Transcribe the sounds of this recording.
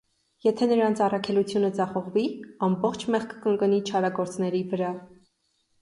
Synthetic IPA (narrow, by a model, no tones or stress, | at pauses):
jɛt̪ʰɛnəɾɑnt͡sʰɑrɑkʰɛlut͡sʰjunəd͡zɑχɔʁviɑmbɔχt͡ʃʰmɛχkʰəkəŋkənit͡ʃʰɑɾɑɡɔɾt͡snɛɾivəɾɑ